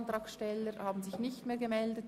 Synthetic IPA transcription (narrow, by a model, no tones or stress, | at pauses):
nt̪ʁɑːksʃtɛləɾhaːbn̩zɪçnɪçtmeːɡəmɛldət